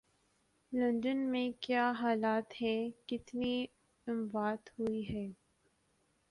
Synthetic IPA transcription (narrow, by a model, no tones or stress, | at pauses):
lɐ̃nɖənmẽkjaːɦaːlaːt̪hɛ̃kɪt̪ni | ɪmʋaːt̪hʊiɦɛː